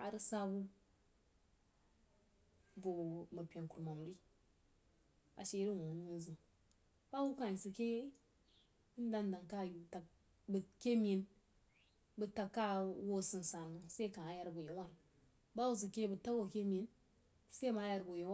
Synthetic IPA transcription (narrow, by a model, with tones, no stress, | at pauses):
a˨ɾɨ˦sa˦bu˦ | vo˨mə˨pʲe˨nku˨ɾma˨m˨ɾi˦ | a̰˨ʃe˦ɾi˦˨wo˨n˦u˦n˦zɨ˨n | b̥a˦wu˦ka˨i˨si˨ke˦ | i˦n˦da˦nda˨ŋka˦˨ju˨ta˨ | bə˨ke˦mʲi˨n | bɨ˦ta˨kːa˦wo˦sɨ˨nsa˨nu˨se˦ka˨a˨ja˦ɾbu˨jo˨˦wa˦n | ba˦wu˦s̬ɨ˨ke˦bɨ˨ta˦wo˦˨ke˦mʲi˨˦n | se˦ma˨˦ja˦ɾbu˨jo˨w